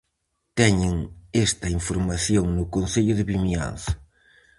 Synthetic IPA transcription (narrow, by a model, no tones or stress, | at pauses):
t̪ɛɲɪŋest̪ɐiɱfoɾmaθjoŋnʊkonseʎʊðɪβimia̰nθɐ̥